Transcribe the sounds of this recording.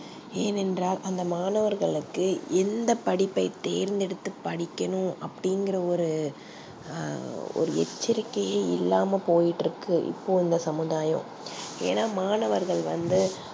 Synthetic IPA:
eːnɛndraːlʔɐnd̪ɐmaːnɐʋɐɾɣɐɭɯkːɯɛnd̪ɐpːɐɽɪpːɐɪt̪eːɾnd̪ɛɽɯt̪ːɯpːɐɽɪkʲːɐnʊ̃ɐpːɐɽɪŋɡɪrɐɔɾɯ | ɔ̰ɾɯɛt͡ʃːɪɾɪkːɐjeːɪ̰lːaːmɐpoːjɪʈːɾɯkːɯʔɪ̰pːoːɪnd̪ɐsɐmɯðaːjɐ̰̃ | ḛːnaːmaːnɐʋɐɾɣɐɭʋɐ̰nd̪ɯ

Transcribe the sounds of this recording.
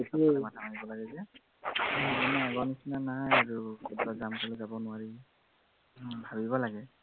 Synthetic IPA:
samatʰamanibɔlaɡɛzɛ | manɛaɡɔnisinanaɦajaɹukʰɔdbazamkɔlɛzabɔnʊwaɹi | bʱabibɔlaɡɛ

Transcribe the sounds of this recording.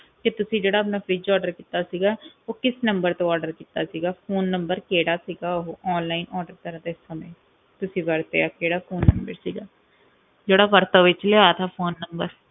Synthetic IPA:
kɪt̪ʊsĩːd͡ʒeːɽaːəpnaːpid͡ʒɔːɖəɾkiːt̪aːsiːɡaːoːkɪsnəmbəɾt̪õːɔːɾɖəɾkiːt̪aːsiːɡaːpʰoːnːəmbəɾkeːɽaːsiːɡaːoːʔɔːnlaːinɔːɖəɾt̪əɾãːt̪aɪsəmẽː | t̪ʊsĩːʋəɾt̪eːaːkeːɽaːpʰoːnːəmbəɾsiːɡaː | d͡ʒeːɽaːʋəɾt̪aːʋɪt͡ʃleːat̪ʰaːpʰoːnːəmbəɾ

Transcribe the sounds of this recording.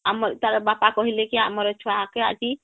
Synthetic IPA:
amɔɾt̪aɾɛbapakɔɦilekiamɔɾet͡ʃʰɔakea̰d͡ʒi

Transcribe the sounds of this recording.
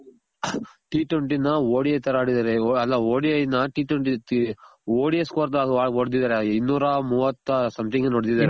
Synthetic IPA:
ʈiːʈʋeɳʈinɐoːɽiet̪ɐɾaːɽid̪aːɾeɐlːɐoːɽiejnɐʈiːʈʋeɳʈi | oːɽijeskoːɾd̪ɐaːoɽd̪id̪aːɾeinːuːɾɐmuːʋɐt̪ːɐsɐmt̪ʰiŋɡɐnoɽd̪id̪aːɾe

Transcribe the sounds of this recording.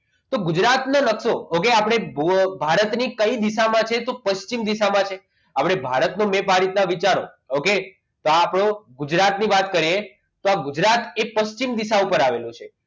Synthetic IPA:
t̪oɡud͡ʒɾat̪nənəksookeapɽ̃ebbʱaɾət̪nikəid̪isamãt͡ʃʰet̪opəʃt͡ʃimd̪isamãt͡ʃʰe | apɽ̃ebʱaɾət̪nomepaɾit̪naʋit͡ʃaɾo̰ | oke | t̪oapɽ̃oɡud͡ʒɾat̪niʋat̪kəɾie | t̪oaɡʊd͡ʒɾat̪epəʃt͡ʃimd̪isaupəɾaʋelũt͡ʃʰe

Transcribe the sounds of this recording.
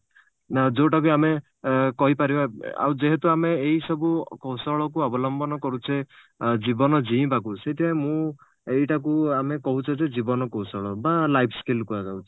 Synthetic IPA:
d͡ʒoʈak̬uame | kɔɦipaɾibaa̰wd͡ʒeɦet̪uameːɦisɔbukowsɔɭɔkuɔbɔlɔmbɔnɔkɔɾut͡ʃʰe | d͡ʒibɔnɔd͡ʒiĩpakuset̪ʰiãmũ | ejʈak̬uamekɔɦut͡ʃʰɔd͡ʒed͡ʒibɔnɔkowsɔɭɔbalajpʰskelkuaɡawt͡ʃʰi̥

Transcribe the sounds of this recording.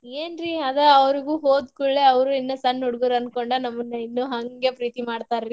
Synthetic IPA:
eːnɾiɐd̪ɐɐʋɾiɡuːɦoːd̪kuɭːeɐʋɾuinːɐsɐnːuɽɡɐɾɐnkoɳɖɐnɐmːɐnːɐinːuɦɐŋɡe̞pɾiːt̪imaːɖt̪aːɾɾi

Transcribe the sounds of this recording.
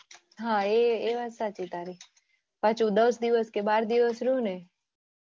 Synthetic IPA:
ɦãeeʋasat͡ʃit̪aɾi | pãt͡ʃʰud̪əsd̪iʋəskebaɾd̪iʋəsɾũne

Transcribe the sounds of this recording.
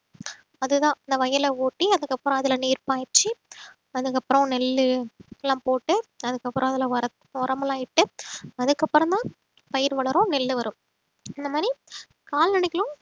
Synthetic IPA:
ɐðɯðãːɪnd̪ɐʋɐjɐlɐoːʈːiɐðɯkːɐpːɾɔ̃ɐðɪlɐniːɾpaːɾt͡ʃːi | ɐðɯkːɐpːɯɾɐ̃nɛlːɯɛlːãːpoːʈːɯɐðɯkːɐpːɯɾʔɔ̃ɐðɪlɐɐɾɐ | ɔɾɐmɐlaːɪʈːɯɐðɯkːɐpːɯɾɔ̃t̪ãː | pɐjɪɾʋɐɭɐɾʊ̃nɛlːɯʋɐɾɯ̃m | ɪnd̪ɐmaːd̪ɾi | kaːlnɐɳɪkːɐlʊ̃

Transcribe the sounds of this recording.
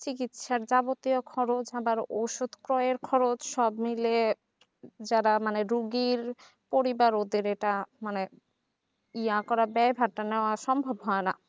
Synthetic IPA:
t͡ɕikit̪ʃaɾd͡ʑabot̪ijokʰɔɾot͡ɕabaɾoʃod̪kɾɔeɾkʰɔɾot͡ɕʃɔbmile | d͡ʑaɾamaneɾuɡiɾ | poɾibaɾod̪eɾeʈamane | iakɔɾabɛbʱaɾʈaneoaʃɔmbʱobɦɔena

